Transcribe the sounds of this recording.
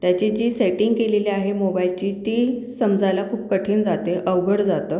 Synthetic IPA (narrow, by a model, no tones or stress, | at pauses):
t̪jat͡ɕed͡ʑiːseʈiŋɡkeleleaɦemobailt͡ɕiːt̪iːlsəmd͡zʱajlakʰuːp̚kəʈʰiːnd͡zat̪eʔəʋɡəɽd͡zat̪ə